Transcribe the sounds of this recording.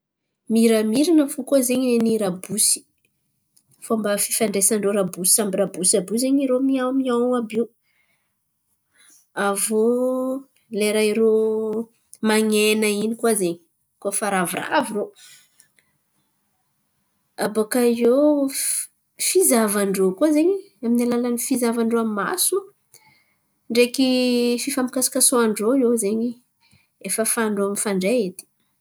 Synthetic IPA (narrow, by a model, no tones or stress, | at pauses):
miɾamiɾanəfukozeɲeniɾabusi̥ | foambəfi̥faɳɖ͡ʐesaɳɖ͡ʐoɾabusi̥sambirabusiabuzeɲiɾomiawmiawabiw | avo | leɾaiɾo | maɲenəinikwazeɲi | kofaɾavura̰viro | abakaiew | fizavaɳɖ͡ʐokazeɲi | aminalalanifizavaɳɖ͡ʐoamma̰su | ɳɖ͡ʐekififamikasi̥kasoaɳɖ͡ʐoiewzeɲi | efəfaɳɖ͡ʐoamifaɳɖ͡ʐeet̪i̥